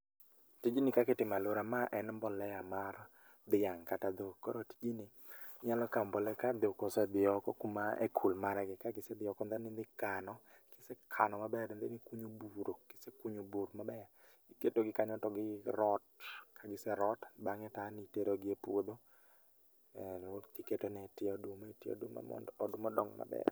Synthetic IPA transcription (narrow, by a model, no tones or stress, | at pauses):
tid͡ʒinɪkaketɪmaloɾamaʔɛnmbɔlɛjamaɾ | d̪ɪjaŋkatad̪okɔ̰ɾoti̥d͡ʒinɪ | ɲalɔkambɔlɛkad̪okɔsɛd̪ɪɔkɔkumaḛkʰulmaɾɛɡɪkaɡɪsɛd̪ɪɔkɔnd̪ɛnɪnd̪ɪkanɔkɪsekʰa̰nɔmabɛɾnd̪enɪkuɲobuɾokɪ̥sekuɲobuɾmabɛa | iketoɡɪkaɲɔtɔɡɪɾɔtkʰaɡɪsɛɾɔtbaŋɛtaniteɾoɡɪepwod̪o | ɛnot̪iketonɛtɪɔdumetɪɔ̰dṵm̰ɔdumɔdɔ̰ŋma̰bɛ̰r